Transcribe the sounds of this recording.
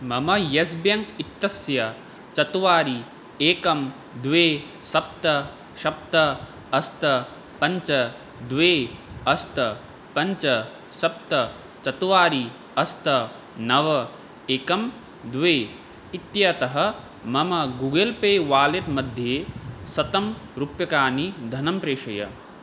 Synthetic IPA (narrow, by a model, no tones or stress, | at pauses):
mɐmɐjɐs̬bjɐŋkit̪ːɐsjɐ | t͡ʃɐt̪uʋaːɾi | eːkɐm | d̪ʋeː | sɐp̚t̪ɐ | ʃɐp̚t̪ɐ | ɐst̪ɐ | pɐɲt͡ʃɐ | d̪ʋeːɐst̪ɐ | pɐɲt͡ʃɐ | sɐpt̪ɐ | t͡ʃɐt̪uʋaːɾi | ɐst̪ɐ | nɐʋɐ | eːkɐm | d̪ʋeː | it̪jɐt̪ɐɦɐ̆ | mɐmɐɡuːɡɐlpeːʋaːlet̪mɐd̪ʱjeːsɐt̪ɐm | ɾupjɐkaːnid̪ʱɐnɐmpɾeːʂɐjɐ̰